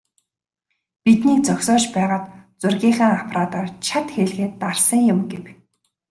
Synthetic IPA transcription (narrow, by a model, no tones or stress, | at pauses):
pit̪niːk̚t͡sɔksɔːt͡ɕpæːʁaːt̪t͡sʊrɣʲiːχæːŋapʰraːt̪ɔrt͡ɕʰat̪xeɮɣeːt̪ːarsə̆ŋjʊmɡew